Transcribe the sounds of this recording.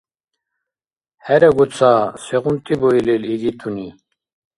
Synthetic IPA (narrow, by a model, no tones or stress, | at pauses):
hɛɾeɡut͡saseɣunt̪iboileliɡit̪ʰuni